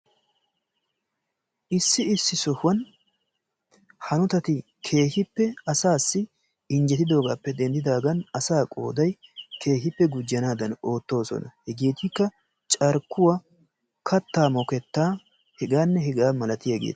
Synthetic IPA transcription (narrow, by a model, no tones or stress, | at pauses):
ʔɪsːɪɪsːɪsɔhwɐn | hɐnʊt̪ɐt̪ɪ | kʰe̞ːhɪpːɛɐsaːsːɪ | ɪɲd͡ʒɛt̪ɪd̪o̞ːɡaːpːɛd̪ɛnd̪ɪd̪aːɡɐnɐsaːkʼo̰ːd̪ɐjkʰe̞ːɦɪpːɛɡʊd͡ʒɪjɐnaːd̪ɐno̞ːt̪ːo̞ːsɔ̰nɐhɛɡeːt̪ɪkːɐ | t͡ʃʼɐɾkːʊwɐ | kʰɐt̪ːaːmɔkɛt̪ːaː | hɛɡaːnːɛɦɛɡaːmɐlɐt̪ɪjɐɡḛːt̪